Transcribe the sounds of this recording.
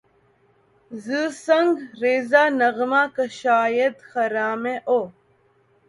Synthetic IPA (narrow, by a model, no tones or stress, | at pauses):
zɨsɐŋɡɾeːzaːnɐɣmakəʃaːjed̪xɐɾaːmeʔo